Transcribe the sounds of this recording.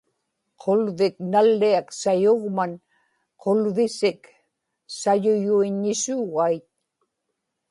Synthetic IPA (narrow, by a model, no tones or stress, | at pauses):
qʰo̞lvɪknalːiaksajoʁman | qʰolvɪsɪk | sajʊjuiɲːɪsuːɣajt̪̚